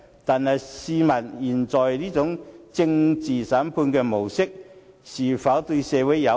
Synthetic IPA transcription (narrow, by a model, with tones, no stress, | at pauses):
t̪aː˨˩nhɐ˨jsiː˧mɐ˨˩njiː˨˩nt͡sɔː˨˩jliː˥t͡sʊ˨˥ŋt͡sɪ˧ŋt͡siː˨saː˨˥mpʰuː˧nkɛː˧mo˨˩wsɪ˥k̚ | siː˨˩faː˨˥wt̪ɵ˧ɥsɛː˨˧wʊ˨˥jjɐ˨˧